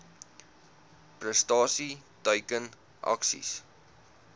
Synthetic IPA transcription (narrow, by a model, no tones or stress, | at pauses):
prəstɑːsitœɥkən | ʔɐ̰ksḭs